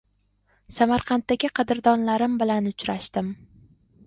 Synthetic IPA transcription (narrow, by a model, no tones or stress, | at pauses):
samaɾqʰɑnt̪ːaɡʲɪqʰɑd̪ɪɾd̪ɒnlaɾɪmbɪlanʊt͡ʃɾaʃt̪ɪm